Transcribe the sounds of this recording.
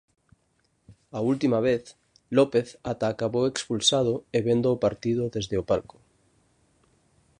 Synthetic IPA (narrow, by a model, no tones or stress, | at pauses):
ault̪imaβ̞eθ | lopeθat̪aːkaβowekspulsað̞oeβend̪oːpaɾt̪ið̞oðezðeopalko̥